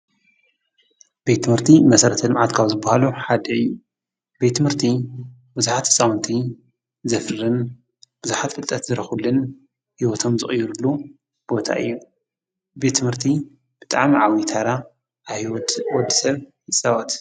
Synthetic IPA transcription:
bet̪ːɨmhɨɾt̪ʰimɐsɐɾɐt̪ʰɐlɨmʕat̪kʰawzɨbːahaluħad̪ɐɨjːu | bet̪ːɨmhɨɾt̪ʰi | bɨzaħat̪ʰɨ̥sʼawnt̪ʰi | zɐfɨɾɨn | b̥ɨzuħat̪fɨlt̪ʼɐt̪zɨɾɐxulɨn | hiwɔt̪ʰo̞mzɨχʼjːuɾulːu | b̥o̞t̪ʰa̰ʔɨ̰jːu | be̞t̪ʰːɨmhɨɾt̪ʰi | b̥ɨt̪ʼa̰ʕmiʕawit̪ʰaɾa | wɔd̪ːisɐβjɨsʼɐwɐt̪

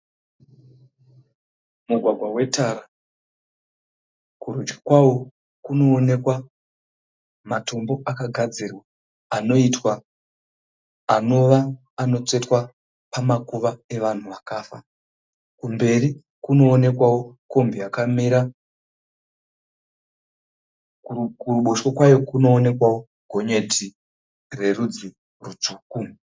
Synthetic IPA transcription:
muɡʱwaɡʱwawe̞taːra | kurud͡ʒɡi̥kwawo̞ | kuno̞ːne̞kwa | mato̞mbo̞ʔakaɡʱad͡zirwaː | no̞itwa | no̞ʋaː | no̞t͡se̞twa | pamakuʋae̞ʋan̤uʋakaːfa̰ | kumbe̞ri | kuno̞ːne̞kwawo̞ko̞mbiakamiɾa | kuruɓoʃo̞kwajo̞kuno̞ːne̞kwawo̞ | ɡʱo̞ɲe̞ti | re̞rud͡zi | rut͡ʂuːku

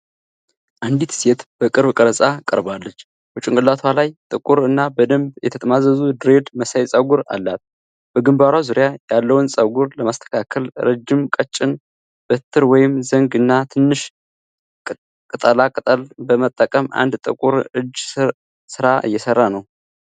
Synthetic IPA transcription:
ʔand̪it̪set̪b̥əkʼɨɾbkʼəɾəsʼakʼəɾbalːət͡ʃː | but͡ʃʼɪŋkʼɨlːat̪ʰwalajt̪ʼɨkʼuɾɨnːabəd̪əmbjɛt̪ʰət̪ʼəmazəzud̪ɾed̪məsajsʼəɡuɾa̰lːat̪̚ | b̥əɡɨmbaɾwazuɾjajalːəwunsʼəɡuɾləmast̪ʰə̥kʰakʰəlɾəd͡ʒːɪmkʼət͡ʃʼːɪn | b̥ət̪ʰːɨɾwɔjɪmzəŋɡɨnːat̪ʰɨnːɨʃ | kʼɨt̪ʼəlakʼɨt̪ʼəlbəmət̪ʼːəkʼəma̰nd̪t̪ʼɨkʼuɾɨd͡ʒː | sɨɾaʔɨ̰jːɛsərːanəw

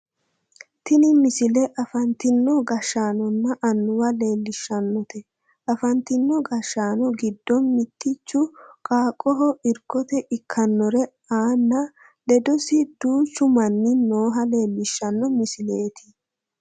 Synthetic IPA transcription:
t̪ɪnɪmɪsɪlɛʔɐfɐnt̪ɪnːɔɡɐʃːaːnɔnːɐʔɐnːʊwɐle̞ːlːɪʃːɐnːɔt̪ɛ | ʔɐfɐnt̪ɪnːɔɡɐʃːaːnɔɡɪd̪ːɔnmɪt̪ːɪt͡ʃːʊkʼaːkʼːɔɦɔʔɪɾkɔt̪ɛʔɪkʰːɐnːɔɾɛ | aːnːɐ | lɛd̪ɔsɪd̪uːt͡ʃːʊmɐnːɪno̞ːɦɐle̞ːlːɪʃːɐnːɔmɪsɪleːt̪ɪ̥

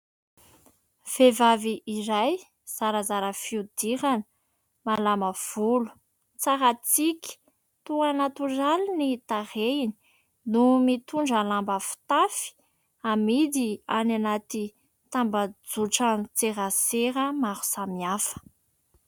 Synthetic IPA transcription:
v̥evaviʔiɾaj | z̥aɾəzaɾəfiud̪̥iɾanə | malaməv̥ulu̥ | t͡saɾat͡sikʲi̥ | t̪uanat̪uralinit̪aɾeini̥ | numit̪uɳɖ͡ʐəlambəfi̥t̪afi̥ | amid̪iananat̪i | t̪ambəd͡zuʈ͡ʂant͡seɾəseɾəmaɾu̥samiafə̥

